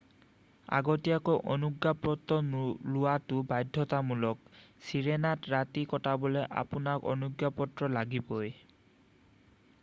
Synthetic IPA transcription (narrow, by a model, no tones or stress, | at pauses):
a̰ɡɔtiakɔʔɔnuɡjapɔtɔlʊwatʊbajdʱːɔtamulɔksiɹenatɹatikɔtabɔlɛʔa̰pʊnakɔ̰nuɡjapɔtɹɔlaɡibɔj